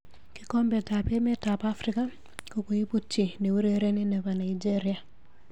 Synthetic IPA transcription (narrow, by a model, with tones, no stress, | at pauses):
ki˦ko˦mbe˨ta˨pe˦me˦ta˨pa˦fɾika˦ | ko˨ku˨ji˦pu˦t͡ʃːi˨ne˨wu˦ɾeɾe˦ni˦ne˨βa˨na˨id͡ʒe˦ɾi˨a˨